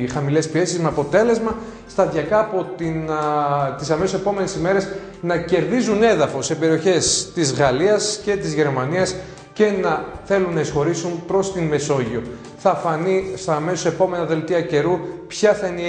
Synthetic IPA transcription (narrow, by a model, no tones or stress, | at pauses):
xɐmile̞spie̞sizmeɐpo̞t̪e̞le̞zmɐ | st̪ɐðʝɐkɐːpo̞t̪in | t̪isɐmesose̞po̞me̞nesime̞ɾe̞s | nɐce̞ɾðizune̞ðɐfo̞sepe̞ɾio̞çe̞st̪izɣɐliɐsce̞t̪izʝe̞ɾmɐniɐs | ce̞nɐθe̞lunːɐisxo̞ɾisunpɾo̞st̪inme̞so̞ʝio̞ | θɐfɐnist̪ɐme̞sose̞po̞me̞nɐðe̞lt̪iɐce̞ɾupçɐθɐini